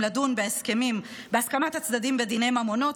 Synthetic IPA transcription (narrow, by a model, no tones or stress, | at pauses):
ladunbeeske̞mim | beaskamat̪hat͡sd̪ad̪imbed̪ine̞jmamo̞no̞t